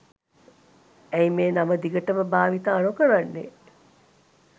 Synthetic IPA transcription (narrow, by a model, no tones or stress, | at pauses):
æjimeːnɐməd̪iɡəʈəməbaːʋit̪aːnukəɾanːḛ